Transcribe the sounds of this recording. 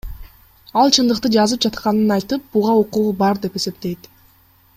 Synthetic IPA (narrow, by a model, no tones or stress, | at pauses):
ɑlˠt͡ʃʰɯnd̪ɯqt̪ɯd͡ʒɑzɯp̚d͡ʒɑt̪qɑnɯnɑjt̪ɯp̚buʁɑoquʁubɑɾd̪e̞pe̞se̞p̚t̪e̞jt̪